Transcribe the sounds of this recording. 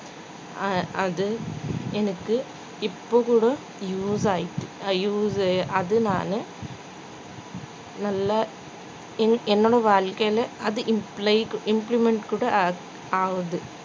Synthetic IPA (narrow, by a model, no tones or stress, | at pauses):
ɐɐðɯɛnɐkːɯ | ɪpːoːkuːɽɐ | juːsaːjɪʈːɯ̥juːsʔɐðɯna̰ːnɯ | nɐlːɐ | ɛɛnːoːɽɐʋaːɻkɐjlɐɐðɯʔɪmplɐɪʔɪmplimɛɳʈkuːɽɐ | aːʋɐðɯ